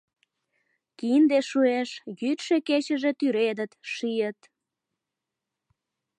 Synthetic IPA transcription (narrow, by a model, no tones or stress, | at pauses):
kind̪eʃueʃjyt̪ʃeket͡ɕəʒet̪yɾed̪ət̪ʃijət̪